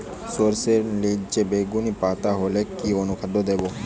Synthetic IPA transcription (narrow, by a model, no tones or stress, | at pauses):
soɾseɾlid͡ʑebeɡunipat̪aɦolekionukʰad̪ːod̪ebo